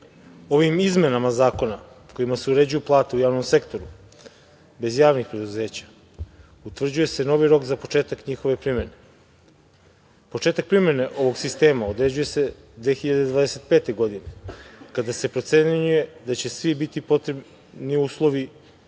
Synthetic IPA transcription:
o̞ʋimizme̞namazaːko̞na | ko̞imaseuɾe̞d͡ʑujuplˠaːt̪eujaːʋno̞mse̞kt̪o̞ɾu | be̞zjaːʋnixpɾe̞d̪uze̞ːt͡ɕḁ | ut̪ʋr̩d͡ʑuje̞se̞no̞ʋiɾo̞kzapo̞t͡ʃe̞ːt̪akɲixo̞ʋe̞pɾime̞ne̞ | po̞t͡ʃe̞ːt̪ak̚pɾime̞ne̞ʔo̞ʋo̞ɡsist̪e̞ːmaod̪ɾe̞d͡ʑuje̞se̞ | d̪ʋe̞xiʎad̪e̞d̪ʋaːd̪e̞set̪̚pe̞ːt̪e̞ɡo̞d̪ine̞kad̪ase̞pɾo̞t̪se̞ɲuje̞d̪at͡ɕesʋibit̪ipo̞t̪ɾeb | niuːslˠo̞ʋi

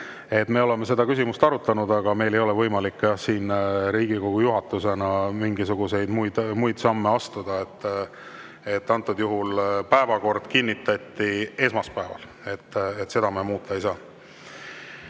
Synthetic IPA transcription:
e̞t̪ːme̞ːo̞le̞mːe̞s̬e̞d̪ɑkysimust̪ɑɾut̪ːˑɑnud̪ɑɡ̥ɑme̞jlejo̞lɛvɤjmɑlikːjɑsiːnɾiːɡiko̞ɡ̥ujuɦɑt̪ːˑuse̞nɑmiŋɡisuɡ̥use̞jd̪mujd̪mujd̪̥sɑmːe̞ɑst̪ud̪̥ɑe̞t̪ː | et̪ːɑnt̪ːˑud̪̥juɦulpæevɑko̞rd̪̥kinʲːit̪ːˑɑt̪ːie̞smɑspæevɑ̰l | e̞t̪ːet̪se̞d̪̥ɑmemuːt̪ːˑɑejsɑː

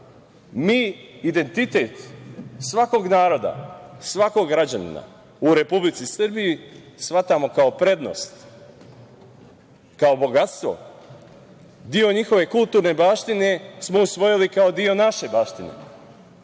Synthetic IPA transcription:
miːid̪e̞nt̪it̪e̞t̪sʋako̞ɡnaːɾo̞d̪a̰sʋako̞ɡɡɾad͡ʑanḭna̰ | uɾe̞publit̪sisrbijisʋat̪amo̞kao̞pɾe̞d̪no̞̰st̪ | kao̞bo̞ɡat̪st̪ʋo̰ | d̪io̞ɲixo̞ʋe̞kulˠt̪uːɾne̞baːʃt̪ine̞smo̞usʋo̞jilikao̞d̪io̞naʃe̞baːʃt̪inḛ

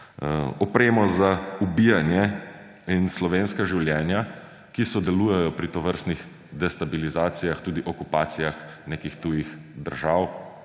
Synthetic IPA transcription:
ɔpɾeːmɔzaubijanjɛ | inslɔʋeːnskaʒiwljɛːnja | kisɔd̪ɛluːjɛjɔpɾit̪ɔʋəɾst̪nix | d̪ɛst̪abilizaːt̪sijaxt̪uːd̪iʔɔkupaːt̪sijaxnekixt̪ujixd̪əɾʒaːw

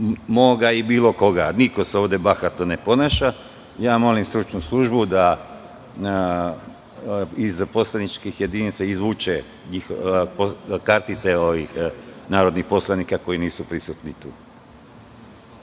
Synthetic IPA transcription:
moɡaibiːlo̞ko̞ɡaniko̞seo̞ːʋd̪e̞baxat̪none̞po̞naʃa | jaːmo̞limst̪ɾut͡ʃnuslˠuʒbud̪a | izpo̞slˠanit͡ʃkixje̞d̪init̪saizʋut͡ʃe | ɲixopokaɾt̪it̪seoʋixnaːɾo̞d̪nixpo̞slˠanikako̞iniːsupɾisut̪nit̪uː

